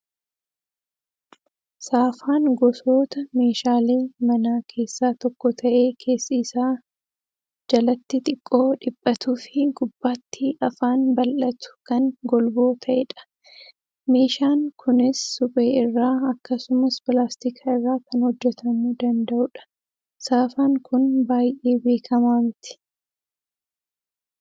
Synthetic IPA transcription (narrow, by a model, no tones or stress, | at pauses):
saːfaːŋɡɔso̞ːt̪ɐme̞ːʃaːleːmɐnaːkʰe̞ːsːaːt̪ɔkːɔt̪ʰɐʔe̞ːkʰe̞ːsːiːsaː | d͡ʒɐlɐt̪ːɪt̪ʼɪkʼːo̞ːᶑɪbʼːɐt̪uːfɪɡʊbːaːt̪ːɪɐfaːnbɐlʔɐt̪ʊ̥kɐnɡɔlbo̞ːt̪ʰɐʔɛᶑɐ̥ | me̞ːʃaːŋkʰʊnɪsːʊpʼe̞ːɪrːaːɐkːɐsʊmɐspɪlaːst̪ikʰɐɪrːaːkɐnhɔd͡ʒːɛt̪ʰɐmuːd̪ɐnd̪ɐʔʊᶑɐ̥ | saːfaːŋkʊnbaːjʔe̞ːbe̞ːkʰɐmaːmɪt̪ɪ̥